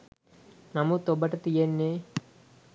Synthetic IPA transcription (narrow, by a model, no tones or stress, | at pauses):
nɐmut̪obɐʈɐt̪ijenːe